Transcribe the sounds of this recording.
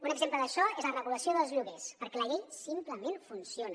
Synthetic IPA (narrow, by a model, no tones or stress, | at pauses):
unəɡzempləðəʃɔezlərəɣuləsioðəlˠzʎuɣespəɾkɛləʎeʎsimpləmenfunsionə